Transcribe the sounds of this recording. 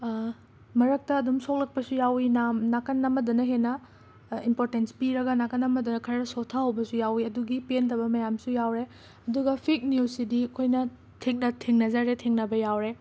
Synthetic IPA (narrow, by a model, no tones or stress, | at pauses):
mɐɾɐk̚tɐːdumsok̚lɐk̚pɐsujawinamnakɐnːɐmɐdunɐɦenɐ | impoɾtenspiɾɐɡɐnakɐnːɐmɐdunɐkʰɐɾnɐsotʰahɐwbɐsujawiɐduɡipentɐbɐmɐjamsujawɾe | ɐduɡɐpʰik̚nuwsidiɐkʰojnɐ | tʰek̚nɐtʰeŋnɐzaɾetʰeŋnɐbɐjawɾe